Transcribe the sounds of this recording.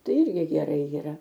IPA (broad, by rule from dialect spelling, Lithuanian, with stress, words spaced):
ˈtɐɪ ˈɪrʲɡʲɪ ɡʲɛˈrɐɪ jiːˈrɐ